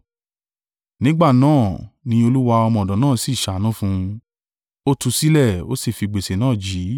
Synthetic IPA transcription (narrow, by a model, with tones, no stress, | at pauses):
nĩ˦ɡ͡ba˦˨nãː˦˨nĩ˧o˧lu˦wa˧ɔ˧mɔ̃˧˨ɔ˨dɔ̃˨nãː˦˨si˦˨ʃa˨nã˦fũ˧ | o˦tu˧si˦lɛ˦˨o̰˦si˦˨fi˧ɡ͡be˨se˨nãː˦˨d͡ʒiː˨˦